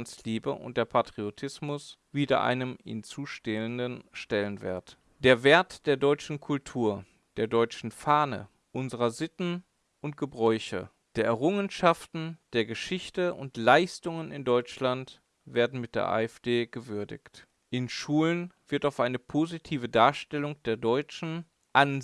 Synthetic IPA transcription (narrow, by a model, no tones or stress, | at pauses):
nsliːbə̰ʔʊ̰nt̚d̥eːɐpʰatʁ̥iotʰɪsmʊsv̥iːdɐ̰ʔa̰ɪnəmhɪ̰nt͡suːʃteəndənʃtɛlənvḛːɐt | d̥eːɐveːɐtd̥eːɐdɔʏt͡ʃn̩kʰʊltʰuːɐ | d̥eːɐdɔʏt͡ʃn̩faːnə̰ | ʔʊnzəʁɐzɪtn̩ | ʔʊntɡ̥əbʁɔʏçə̰ | d̥eːɐʔɛʁʊŋənʃaftn̩d̥eːɐɡəʃɪçtəʊ̰ntlaɪstʊŋənɪ̰ndɔʏt͡ʃlant | v̥eːɐdn̩mɪt̚d̥ḛɐʔa̰ːɛfd̥eːɡ̥əvʏɐdɪ̰çt | ʔɪnʃuːlənv̥ɪɐtaʊfʔaɪnəpʰozitʰiːvədaːɐʃtɛlʊŋd̥eːɐdɔʏt͡ʃn̩ | ʔan